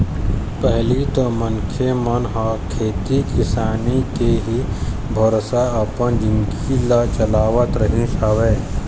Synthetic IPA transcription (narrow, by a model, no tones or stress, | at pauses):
pɛɦlit̪omənkʰemənɦakʰeːt̪ikɪsaːnikeɦibʱɐɾsaɐpənd͡ʒɪŋkilat͡ʃɐlaːʋət̪ɾəɦĩsaʋeː